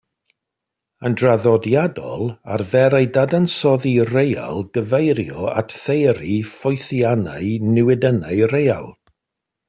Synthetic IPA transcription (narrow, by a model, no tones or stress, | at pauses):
əndraðɔdjadɔ̰lˠarvɛɾajdadansɔðireja̰lˠɡəvejɾjɔa̰tʰθejɾifɔjθjanaɨnɪwɪdənaɨreja̰lˠ